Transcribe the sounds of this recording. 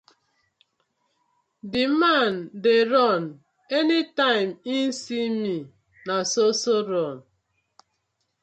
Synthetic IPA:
dɪman̩deɾɔn | enitaɪmin̩simi | nasosoɾɔn̩

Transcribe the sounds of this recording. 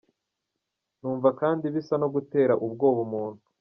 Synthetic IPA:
nuːɱvakaːndiβisano̞ɡute̞ːɾaʔub̚ɡo̞ːβumuːn̥u̥

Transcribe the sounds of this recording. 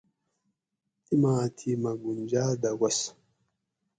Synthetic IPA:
timatʰimaɡund͡ʒaːd̪awas

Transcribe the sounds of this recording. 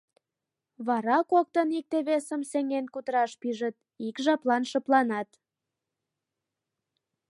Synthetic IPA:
βɑɾɑkok̚t̪ənik̚t̪eβesəmseŋenkut̪əɾɑʃpyʒət̪̚ | ikʒɑplɑnʃə̆plɑnɑt̪

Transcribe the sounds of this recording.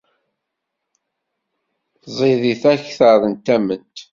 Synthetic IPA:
zˤiðiθæçθəðˤənt̪æmənt̪

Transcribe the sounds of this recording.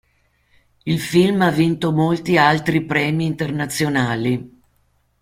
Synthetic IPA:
ilfilmavːint̪omolt̪ialt̪ɾipɾɛːmiːnt̪ernat̪sːjonaːli

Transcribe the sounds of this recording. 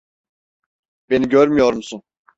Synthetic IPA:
be̞niɟøɾmyjo̞ɾumsun

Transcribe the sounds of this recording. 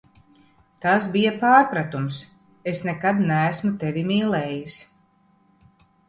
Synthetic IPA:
t̪asbijapaːɾpɾat̪ums | esnekad̪næːsmut̪evimiːlɛjis

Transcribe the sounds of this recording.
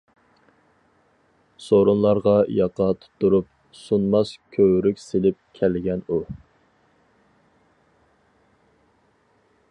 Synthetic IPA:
soɾunlˠɑɾʁɑjɑqɑt̪ʰu̥t̪ːuɾup̚ | sunmɑskʲʰøwɾykʲselɪp̚kʲʰɛlɡʲɛnu

